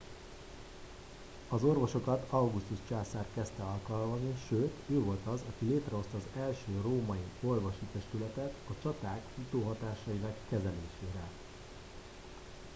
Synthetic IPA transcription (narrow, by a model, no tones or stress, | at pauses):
ɒzo̞rvo̞ʃo̞kɒt̪ɒwɡust̪uʃt͡ʃaːsaːrkɛst̪ɛɒlkɒlmɒzniʃøːt̪øːvo̞lt̪ɒzɒkileːt̪rɛo̞st̪ɒːzɛlʃøːroːmɒio̞rvo̞ʃit̪ɛst̪ylɛt̪ɛt̪ɒt͡ʃɒt̪aːkfut̪oːɦɒt̪aːʃɒjinɒkːɛzɛleːʃeːɾɛ